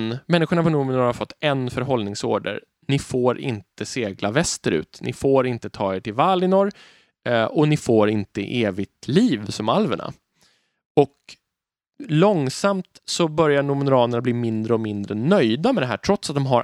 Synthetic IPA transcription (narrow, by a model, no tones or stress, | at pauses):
nmɛnːɪɧʊɳapʰɔnuːmɪnʊɾhaɾfɔt̪ːɛnfœɾɦɔlnɪŋso̰ːɖə̰ɾ | nɪfoːɾʔɪ̰nt̪ʰəseːɡlavɛst̪əɾʉ̟̰ːt̪nʔɪ̰foːɾɪnt̪ət̪ʰɑːeːʈʰɪlvalːɪnɔɾ | ɔnɪfoːɾɪnt̪əʔeːvɪɡt̪ʰliːvsɔmalvə̰ɳa̰ | ɔk | lɔŋsamt̪sɔbœɾjaɳʊmɛnʊɾɑːnəɳabliːmɪnd̪ɾəɔmɪnd̪ɾənœjd̪amɛd̪ɛɦæ̰ːʈʰɾɔt̪sat̪̚d̪ɔmɦaɾ